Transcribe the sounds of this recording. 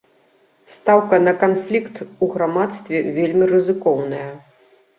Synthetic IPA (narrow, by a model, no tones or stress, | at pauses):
st̪awkɐnɐkanflʲikt̪uɣɾamat̪st̪vʲɛvʲelʲmʲirɨzɨkɔwnɐjɐ